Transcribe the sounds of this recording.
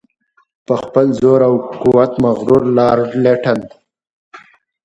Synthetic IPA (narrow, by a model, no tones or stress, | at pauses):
pəxpəlzoɾawkuwat̪maɣɾuɾlɑɾɖleʈan